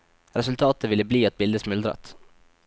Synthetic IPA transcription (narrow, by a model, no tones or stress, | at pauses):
ɾɛsʉlt̪ʰɑːt̪əʋɪlːəbliːɑt̪̚bɪld̪əsmʉld̪ɾɑ̰t̪